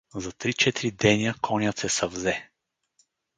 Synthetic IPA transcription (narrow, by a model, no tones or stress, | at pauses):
zɐt̪ɾit͡ʃɛt̪iɾid̪ɛniəkʰɔnʲət̪sɛsɐvzɛ